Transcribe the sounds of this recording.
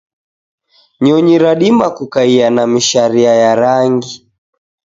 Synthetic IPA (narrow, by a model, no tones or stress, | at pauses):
ɲɔɲiɾaɗimakukaianamiʃaɾiajaɾaŋɡi